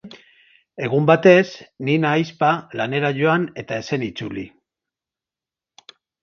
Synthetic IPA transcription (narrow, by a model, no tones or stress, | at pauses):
e̞ɣumbat̪e̞sninajspalane̞ɾaʝo̞ane̞t̪ae̞se̞nit͡suli